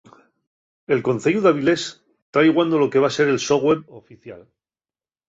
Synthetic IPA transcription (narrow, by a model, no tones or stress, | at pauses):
e̞lko̞nθeʝuðaβ̞ile̞s | t̪ɾajɣwand̪o̞lo̞ke̞β̞ase̞ɾe̞lsoɣweɾofiθja̰l